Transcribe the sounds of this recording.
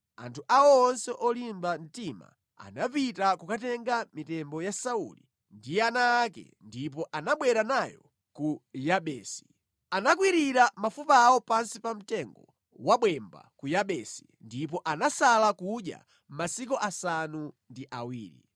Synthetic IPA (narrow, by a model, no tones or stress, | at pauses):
a̰ntʰuʔawɔːnsɛʔɔlimban̩tima̰ | a̰napitakukatɛŋɡamitɛmbɔjasaṵlḭ | ndianaːkɛ̰ndip̬ɔʔanaɓwɛɾanajɔ̰ | kujaɓɛːsi̥ | anak̬wiɾiɾamafupawɔpansipam̩tɛŋɡɔ | waɓwɛmba̰kujaɓɛsi̥ | ndip̬ɔʔanasalakuɗja̰ | m̩masikɔʔasanundiʔawiːɾḭ